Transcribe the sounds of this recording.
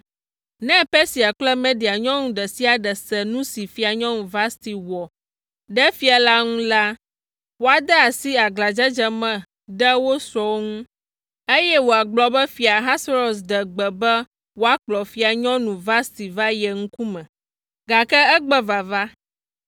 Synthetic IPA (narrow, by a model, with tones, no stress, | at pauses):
nɛ̃˦pɛ˦si˨a˨k͡plɛ˦mɛ̃˦ɖi˨a˨ɲɔ̃˦nũ˨ɖɛ˨si˦a˨ɖɛ˨sɛ˨nũ˦si˨fi˦a˨ɲɔ̃˦nũ˨va˦st̪i˨wɔ˨ | ɖɛ˦fi˦a˨la˦ŋũ˦la˦ | wo˦a˨d̪ɛ˦a˨si˦a˨ɡla˨d͡ʒɛ˦d͡ʒɛ˦mɛ̃˨ | ɖɛ˦wo˦sɔ˨wo˦ŋũ˦ | e˦jɛ˦wo˨a˨ɡ͡blɔ˨bɛ˦fi˨a˨ɦa˦sɾo˨sdɛ˨ɡ͡bɛ˨bɛ˦ | wo˦a˨k͡plɔ˨fi˦a˨ɲɔ̃˦nũ˨va˦st̪i˨va˦jɛ˨ŋ̩̃˦ku˦mɛ̃˨ | ɡa˨kɛ˦ɛ˦ɡ͡bɛ˦va˨va˦